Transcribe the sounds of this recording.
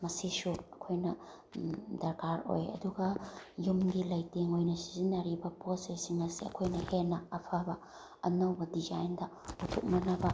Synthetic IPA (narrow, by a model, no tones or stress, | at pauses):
mɐsisuɐkʰojnɐ | dɐɾkaɾo̰jɐ̰duɡɐjumɡilɐjtiŋojnɐsizinɐɾibɐpɾosesiŋɐsiɐ̰kʰojnɐhenːɐːpʰabɐ | ɐnɐwbɐdizajndɐutʰuk̚mɐnɐbɐ